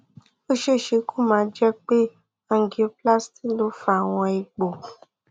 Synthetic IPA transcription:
o˦ʃe˦˨ʃe˧ko˦mã˨˧˦d͡ʒɛ˦k͡pe˦ | ã˨ŋ˨˦ɡi˨o˧pla˦sti˦lo˦fa˨w̃ɔ̃˧i˧ɡ͡bo˨

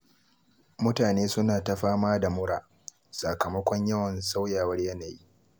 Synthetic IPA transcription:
mʊ˦taː˨neː˦sʊ˦naː˨ta˦ɸaː˦maː˦da˨mʊ˦ɽaː˨ | sa˨kɐ˨mɐ˦kʷɔ˦ɲjɐ˦wɐ˨nsa˦wjaː˨wɐ˦rjɐ˦naː˨ji˦

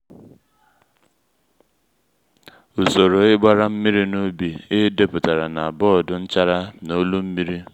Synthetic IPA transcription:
u˨so˨ɾo˨ɪ˦ɡ͡ba˦ɾa˦m̩˦mi˦ɾi˦no˦bi˨ɪ˦de˦pʊ˨ta˨ɾa˨na˨a˨bɔ˦˨dʊ˨n̩˦t͡ʃa˦ɾa˦no˦lu˦m̩˦mi˦ɾi˦

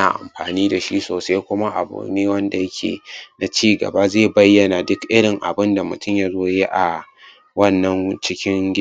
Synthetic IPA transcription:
a̰ː˨ʔa̰˨mɸaː˨niː˦da˨ʃi˦soː˨sa˦jkʷʊ˦ma˦ʔa̰˨bṵː˨neː˦wɐ˦nda˨jɐ˦kʲʰḛː˨na˨t͡ʃiː˦ɡɐ̰˨ba˦zeː˦˨bɐ˦jːɐ˨na˨dʊ˦kʔɪ˦ɽɪ˨ŋʔa̰˨bɪ˦nda˨mʊ˨tʊ˦˨mja˦zoː˦jeː˦ʔa˨ | wɐ˦˨nːɐ˦ŋt͡ʃɪ˦kʲɪ˦ŋɡʲɪ˦˨

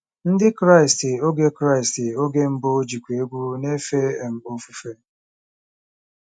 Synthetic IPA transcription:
n̩˦dɪ˦kɾa˦˨ɪ˨stɪ˨o˦ɡe˦kɾa˦ɪ˨stɪ˨o˦ɡe˦m̩˦bo˦d͡ʒi˨kʷe˨˦ɡʷu˦ne˦fe˦˨m̩˦o˦fu˦fe˦

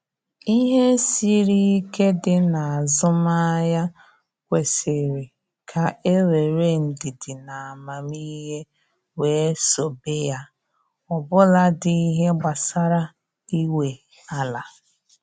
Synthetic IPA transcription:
i˦ɦe˦si˦ɾi˦i˦ke˦dɪ˦na˨a˨zʊ˦ma˦ja˦ | kʷe˨sɪ˨ɾɪ˨ | kʰa˨e˦ɾe˨ɾe˦n̩˨di˨dɪ˨na˨a˨ma˨mi˦ɦe˦ | weː˨˦so˨be˦ja˦ | ɔ˨bʊ˦la˦dɪ˦i˦ɦe˦ɡ͡ba˨sa˦ɾa˦ | i˦we˨ | a˦la˨

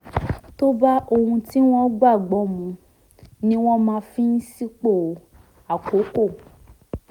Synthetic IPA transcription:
to˦ba˦ʔo˧hũ˧ti˦w̃ɔ̃˦ɡ͡ba˦˨ɡ͡bɔ˨˦mũ˧ | nĩ˦w̃ɔ̃˦mãː˧fĩ˦n̩˦si˦k͡po˦˨˦ | a˨ko˨˦ko˦˨

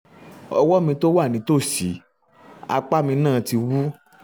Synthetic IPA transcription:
ɔ˧wɔ˦mĩ˧to˦wa˦˨nĩ˨˦to˦˨si˨˦ | a̰˧k͡pa˦mĩ˧nãː˦˨˧ti˧wu˦

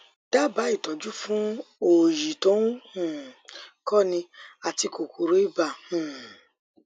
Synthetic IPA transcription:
d̥a˦˨ba˨˦i˦˨tɔ˨d͡ʒu˦fũ˦o˨ji˨tõ˦hũ˦˨kɔ˦˨nĩ˧a˨ti˧ko˨ku˨ɾo˦i˦ba˨hũ˨

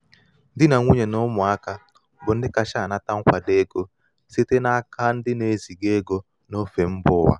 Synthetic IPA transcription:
ndi˦na˨ŋu˦ɲɛ˨nɔ˦mwa˦ka˦˨ | bɔ˨n˦dɪ˦ka˨ʃa˦˨na˨ta˦ŋ̩˦kʷwa˨de˦ɡo˦ | se˦te˦na˦ka˦n̩˦dɪ˦ne˨˦zi˨ɡe˦ɡɔ˨ | nɔ˦fe˨m̩˦bʊ˦wa̰˨

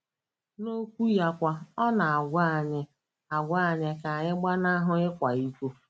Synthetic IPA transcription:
no˦kʷu˦ja˦kʷa˨ɔ˦na˨a˨ɡʷa˦˨ɲɪ˦ | a˨ɡʷa˦a˨ɲɪ˦ka˨ɲɪ˦ɡ͡ba˦na˦ɦʊ˦ɪ˦kʷa˨i˦kʷu˦

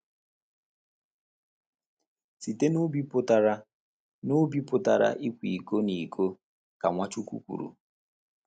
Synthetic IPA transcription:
si˨te˦nu˦bi˦pʊ˦ta˨ɾa˦ | nu˦bi˦pʊ˨ta̰˨ɾa̰˨ʔi˦kʷi˨ko˦ni˨kʰo˦ | ka˨ŋʷa˦t͡ʃu˦kṵ˦kʷṵ˨ɾṵ˨

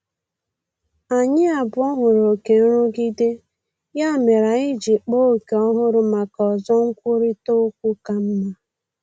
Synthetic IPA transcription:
a˨ɲɪ˦a˨bʊ˨˦ɔ˦ɦʊ˨ɾo˨ke˨n̩˦ɾʊ˦ɡi˦de˦ | ja˦˨me˨ɾa˨ɪ˦d͡ʒi˨k͡po˦˨ke˨ɔ˦ɦʊ˦ɾʊ˨ma˨kɔ˨zɔ˦ŋ̩˦kʷʊ˦ɾi˦to˦kʷu˦ka˦m̩˦ma˦

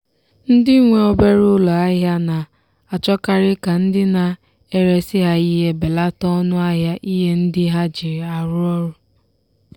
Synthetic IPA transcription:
n̩˦dɪ˦ŋʷe˨ɔ˦be˦ɾʊ˦lɔ˨a˦ɦja˦na˨ | a˨t͡ʃɔ˦ka˦ɾɪ˦ka˨n̩˦dɪ˦na˨ | e˦ɾe˦sɪ˦ɦa˦i˦ɦe˦be˨la˦tɔ˦ɔ˦nʊ˦a˦ɦja˦ʔi˦ɦe˦n̩˦dɪ˦ɦa˦d͡ʒi˨ɾa˨ɾʊ˦ɔ˦ɾʊ˨

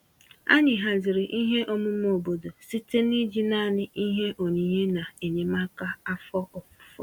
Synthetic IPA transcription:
a̰˦ɲɪ˨ɦa˨d͡ʒɪ˨ɾɪ˨ʔi˦ɦe˦ʔɔ˦mʊ˦m˦o˨bo˨do˨si˦te˦ni˦d͡ʒi˦na˦˨nɪ˦i˦ɦe˦ʔo˨ɲi˨˦ɦe˦na˨e˨ɲe˨ma˦ka˦a˦fɔ˦ʔɔ˨pʊ̥˨fɔ̰˦

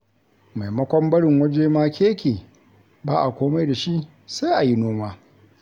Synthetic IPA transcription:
ma˨jmɐ˦kʷɔ˦mbɐ˦ɽɪ˨ŋwɐ˦d͡ʒeː˦maː˦kʲeː˦kʲeː˨ | baː˦ʔa˨kʷoː˦ma˦jda˨ʃi˦ʔ | sa˦ʔa˨ji˦noː˦maː˦

